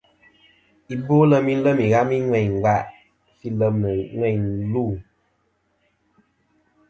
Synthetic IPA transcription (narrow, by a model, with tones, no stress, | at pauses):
i˨bo˦lə˦mi˦lə˦mi˨ɣa˦mi˦ŋwɛ˨ɲŋ˨wa˦ʔ | si˦lə˦mnə˨ŋwɛ˦˨ɲlu˦˨